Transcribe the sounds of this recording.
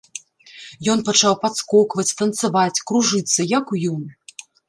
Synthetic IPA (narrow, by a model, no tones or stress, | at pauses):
jɔnpɐt͡ʂawpat̪skɔkvɐt͡sʲt̪ɐnt̪sɨvat͡sʲkɾuʐɨt̪sːɐjɐkujɔm